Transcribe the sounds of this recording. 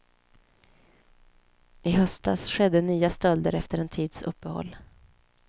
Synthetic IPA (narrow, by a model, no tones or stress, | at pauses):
ʔɪɦœsd̪a̰ːsɧɛd̪ːənyːast̪œld̪əɾɛft̪əɾɛnt̪ʰiːd̪sɵ̰pːəhɔ̰lː